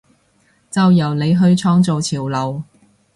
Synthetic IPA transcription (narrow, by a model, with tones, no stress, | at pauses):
t͡sɐ˨˧wjɐ˨˩wne˨˧jɦɵ˧ɥt͡ʃʰɔː˥ŋt͡so˨˧wt͡sʰiː˨˩wlɐ˨w